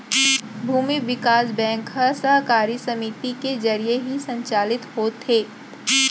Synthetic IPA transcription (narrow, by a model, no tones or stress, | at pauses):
bʱuːmiʋɪkaːsbɛ̃ːŋkɦɐəsəɦkaːɾisɐmit̪ikezɐɾijeɦisɐ̃ɲt͡ʃaːlɪt̪ɦoːt̪heː